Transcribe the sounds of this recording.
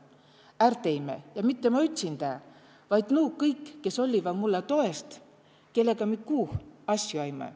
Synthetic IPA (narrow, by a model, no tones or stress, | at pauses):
ært̪e̞jmḛjɑmit̪ːemɑyt̪ʲsind̪æ | vɑjd̪̥nuːkɤjkːe̞so̞lʲːivɑd̪mulːet̪o̞e̞st̪ | ke̞lːe̞ɡ̥ɑmikuːhɑsʲjuɑjmḛ